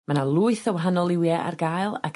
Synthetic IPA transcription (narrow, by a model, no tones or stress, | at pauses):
manalˠuɨθəwaɦanɔlˠɪwjɛʔa̰rɡajlˠa̰kʰ